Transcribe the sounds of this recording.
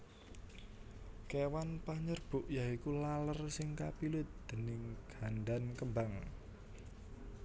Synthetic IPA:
kewanpaɲərb̥ṳʔjaikulalərsɪŋkapilʊt̪̚d̪̥ə̤nɪŋɡ̥anɖankəmbaŋ

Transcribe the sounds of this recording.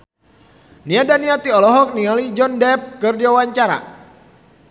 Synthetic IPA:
niadaniat̪iɔlɔɦɔk̚nialid͡ʒɔndɛp̚kərdiawaɲt͡ʃaɾa̰

